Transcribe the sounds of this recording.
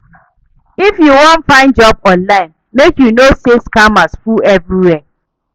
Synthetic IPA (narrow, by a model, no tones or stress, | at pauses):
ifjuwɔ̃ntfãɪ̃nd͡ʒɔb̚ɔ̃nlaɪ̃n | mekjunoseskamasfuɛvɾiwɛ